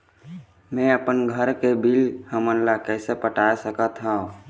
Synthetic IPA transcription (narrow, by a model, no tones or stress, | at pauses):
mɛ̃əpənɡʱəɾkebilhəməlːakɛːsepəʈaːsəkət̪ɦãũ